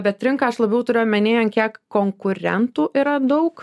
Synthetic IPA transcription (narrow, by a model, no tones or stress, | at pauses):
bʲɛt̪̚t̪ʲɾʲɪŋkɐɐʃlˠɐbʲɛʊt̪ʊɾʲeːjʊmʲɛnʲeːjɛnkʲiɛkkoːŋkʊɾʲɛ̰nt̪uːʔiːɾɐd̪ɐʊk